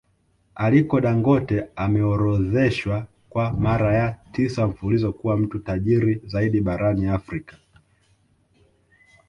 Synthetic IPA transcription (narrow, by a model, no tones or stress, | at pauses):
alikɔɗaŋɡɔtɛamɛɔɾɔðɛʃwa | kwamaɾajatisaɱ̩fulizɔkuwam̩tutaʄiɾizaiɗiɓaɾaniafɾikḁ